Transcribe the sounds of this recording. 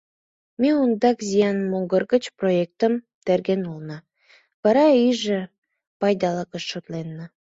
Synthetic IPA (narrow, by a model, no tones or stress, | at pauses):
meund̪ɑkzʲijɑnmoɡərɣə̆t͡ɕproek̚t̪əm | t̪erɡenulnɑ | βɑɾɑiʒĕ | pɑjd̪ɑlɑkəʃːot̪lenːə